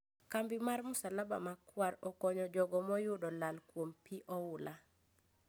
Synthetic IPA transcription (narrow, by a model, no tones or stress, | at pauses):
kambɪmarmʊsalaba̰makwaɾɔkɔɲɔd͡ʒɔɡɔmɔjʊdɔlalkwompiʔɔʊla